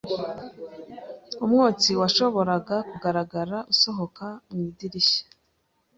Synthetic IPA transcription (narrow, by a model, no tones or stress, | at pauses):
umŋoːt͡siwaʃo̞βo̞ɾaɡakuɡaɾaɡaɾaʔuso̞ɦo̞kaumŋidiɾiɕḁ